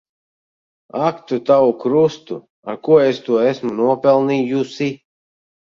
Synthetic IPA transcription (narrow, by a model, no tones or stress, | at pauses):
akt̪ut̪awukɾust̪u | a̰ɾkuɔest̪uɔesmunuɔpɛlˠnijusi